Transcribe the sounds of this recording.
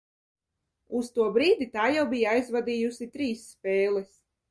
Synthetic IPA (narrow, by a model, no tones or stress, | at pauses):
ust̪uɔbɾiːd̪it̪aːjawbijaajzvad̪iːjusit̪ɾiːsːpʲɛːlˠɛs